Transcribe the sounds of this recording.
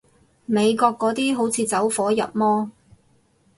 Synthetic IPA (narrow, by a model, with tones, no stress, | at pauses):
me˨˧jkɔː˧kːɔː˨˥t̪iː˥ɦo˨˥wt͡sʰiː˨˧t͡sɐ˨˥wfɔː˨˥jɐ̰˨p̚mɔː˥